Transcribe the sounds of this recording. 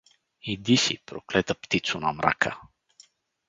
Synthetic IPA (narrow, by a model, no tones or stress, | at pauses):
id̪isipɾoklɛt̪əpt̪it̪sʊnamɾa̰kʰə